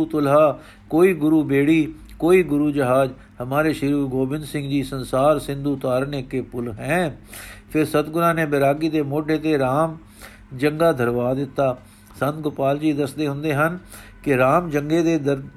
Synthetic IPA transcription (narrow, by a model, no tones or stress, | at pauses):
uːt̪ʊlɦaː | koːiːɡʊɾuːbeːɽiː | koːiːɡʊɾuːd͡ʒəɦaːd͡ʒ | həmaːɾeːʃɪɾuːɡoːbɪnd̪sɪ̃ŋɡd͡ʒiːsənsaːɾsɪ̃nd̪uːt̪aːɾneːkeːpʊlɦɛ̃ːpʰɪɾsət̪ɡʊnãːnẽːbeɾaːɡiːd̪eːmoːɖʱeːt̪eːɾaːm | d͡ʒəŋɡaːd̪ʱəɾʋaːd̪ɪt̪ːaː | sə̃nt̪̚ɡʊpaːld͡ʒiːd̪əsd̪eːɦʊ̃nd̪eːɦənkɪɾaːmd͡ʒəŋɡeːd̪eːd̪ə